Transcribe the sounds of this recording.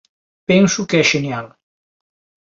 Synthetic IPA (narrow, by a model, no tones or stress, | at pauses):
pɛnsukɛzʒenjalˠ